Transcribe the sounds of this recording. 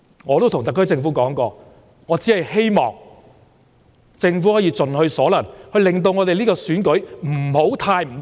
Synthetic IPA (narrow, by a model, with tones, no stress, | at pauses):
ŋɔː˨˧t̪o˥wt̪ʰŋt̪ɐ˨kːʰɵ˥t͡sɪ˧ŋfu˨˥kɔː˨˥ŋkɔː˧ | ŋɔː˨˧t͡siː˨˥hɐ˨jhe˥jmɔ̰ː˨ŋ | t͡sɪ˧ŋfuː˨˥hɔː˨˥jiː˨˧t͡sɵ˨nhɵ˧ɥsɔː˨˥lɐ˨˩nhɵ˧ɥlɪ˨ŋt̪̬o˧wŋɔː˨˧t̪e˨jliː˥kɔː˧syː˨˥nkɵ˨˥ɥm̩˨˩ho˨˥wt̪ʰaː˧jm̩˨˩